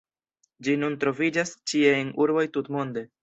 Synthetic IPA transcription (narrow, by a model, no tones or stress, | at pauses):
d͡ʒinuntɾo̞vid͡ʒast͡ʃieenuɾbo̞jtutmo̞nde̞